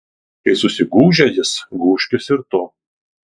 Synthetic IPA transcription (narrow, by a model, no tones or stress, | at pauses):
kɐɪsʊsʲɪɡuːʒʲɛjɪsɡuːʃʲkʲɪsɪɾt̪o